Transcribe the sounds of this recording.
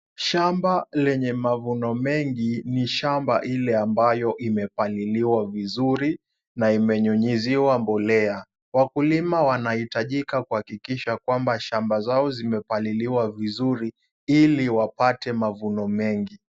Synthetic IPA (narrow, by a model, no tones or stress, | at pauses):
ʃambalɛɲɛmavunɔmɛŋɡiniʃamba̰ʔilɛambajɔʔimɛpaliliwavizuɾi | naimɛɲuɲiziwambɔlɛa | wakulimawanahitaʄikakuhakikiʃakwambaʃambazaɔzimɛpaliliwavizuɾi | iliwapatɛmavunɔmɛŋɡi